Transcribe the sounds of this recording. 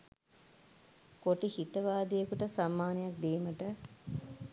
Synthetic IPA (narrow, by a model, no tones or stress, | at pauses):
koʈihit̪əʋaːd̪ijəkuʈəsamːaːnejak̚d̪eːməʈə